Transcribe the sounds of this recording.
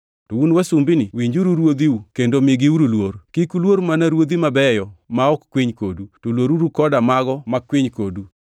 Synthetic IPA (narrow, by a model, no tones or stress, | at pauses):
tounwasumbiniwiɲd͡ʒuɾuɾwod̪iukendomiɡiuɾulwoɾkikulwoɾmanaɾwod̪imabɛjɔmaɔkkwiɲkodutolwoɾuɾukɔdamaɡɔmakwiɲkodu